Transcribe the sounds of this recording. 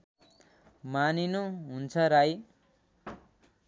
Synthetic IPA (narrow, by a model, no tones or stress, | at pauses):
maninuɦunt͡sʰʌɾaj